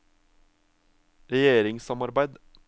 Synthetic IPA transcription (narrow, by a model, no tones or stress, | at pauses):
ɾɛjeːɾɪŋsɑmɑɾbæɪd̪